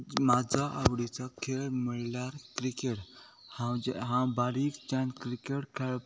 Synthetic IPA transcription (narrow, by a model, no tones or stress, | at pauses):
mad͡zaʔawɽit͡sakʰelmiɭlaɾkɾikeʈ | hãwd͡ʒɦãwbaɾikt͡ʃankɾikeʈkʰel